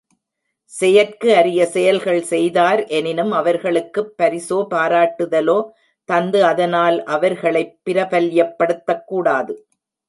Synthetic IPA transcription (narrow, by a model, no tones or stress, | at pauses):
sɛjɐrkɯɐɾɪjɐsɛjɐlɣɐɭsɛjðaːɾʔɛnɪnɯmɐʋɐɾɣɐɭɯkːɯpːɐɾɪsoːpaːɾaːʈːɯðɐloː | t̪ɐnd̪ɯɐðɐnaːlʔɐʋɐɾɣɐɭɐɪpːɪɾɐpɐljɐpːɐɽɯt̪ːɐkːuːɽaːðɯ